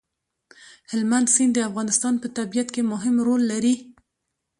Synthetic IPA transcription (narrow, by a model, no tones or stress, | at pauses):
hɪlmand̪sind̪əafɣɑnɪst̪ɑnpət̪abijat̪kemʊɦɪmɾolːaɾi